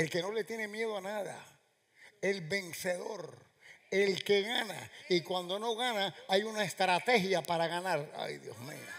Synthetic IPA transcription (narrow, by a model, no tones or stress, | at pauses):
e̞lke̞no̞le̞t̪je̞ne̞mje̞ðoanaða̰ | e̞lbe̞ŋse̞ðo̞̰ɾ | elke̞ɣana̰ikwand̪ono̞ɣanaajunaest̪ɾat̪e̞hjapaɾaɣanaɾa̰jðjo̰smḭo